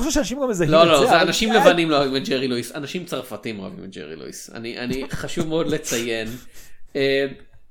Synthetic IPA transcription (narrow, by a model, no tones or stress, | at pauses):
oʃuʃeanaʃimɡamezaloloozeanaʃimlevanimloavimet̚d͡ʒeʁiluisanaʃimt͡saʁfatimoa̰vḭmet̚d͡ʒḛʁḭlṵḭsa̰niʔa̰niχaʃuvmeo̞dle̞t͡sajen | em